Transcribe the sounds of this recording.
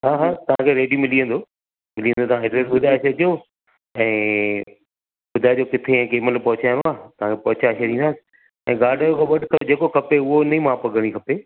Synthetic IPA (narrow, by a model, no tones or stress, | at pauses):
ɦaːɦaːt̪ɐʋ̤ãkʰeɾeːɖijomɪliːə̃nd̪oː | mɪlijə̃nd̪ot̪ɐʋãɦeʈɾeːsbʊd̪ʱaɪʃʰed͡ʑo | ɛ̃ː | ɓʊd̪ʱaːed͡ʑoːkɪt̪ʰeɛ̃ːkeːməlpɐɦʊt͡ɕaːj̃nd̪oaːt̪ɐʋ̤ãkʰepɐɦʊt͡ɕaʃʰed̪ĩnd̪aːsɪ̥ | ɛ̰̃ːɡaːɖʱokʰeɓɐɗʱkʰɐd͡ʑeːkokʰɐpeʊɦonɐĩmaːpɐɡʱəɽ̃ikʰɐpe